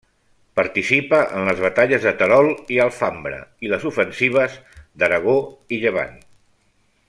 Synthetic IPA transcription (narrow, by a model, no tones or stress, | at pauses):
pəɾt̪isipəʔə̰nləzβət̪aʎəzðət̪əɾɔlˠiəlˠfambɾə̰iləzufənsiβ̞əzd̪əɾəɣ̞oiʎəβ̞a̰n